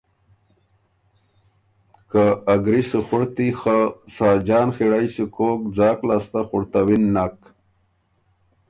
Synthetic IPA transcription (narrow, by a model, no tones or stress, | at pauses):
kaːɡɾisəxuɽt̪ixasaːd͡ʑaːnxiɽajsikoːk̚d͡zaːklast̪axuɽt̪awinːak